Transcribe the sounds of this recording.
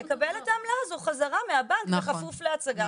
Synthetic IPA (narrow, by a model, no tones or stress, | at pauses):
ekabeletaːmlazuχazaʁameabankeχafufleat͡saɡa